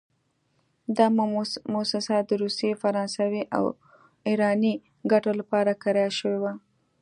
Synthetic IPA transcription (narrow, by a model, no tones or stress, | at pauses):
d̪ɑmmosɪsad̪əɾusjefaɾɑnsawiʔa̰w | iɾɑni | ɡaʈolapɑɾakaɾɑjaʃəwewa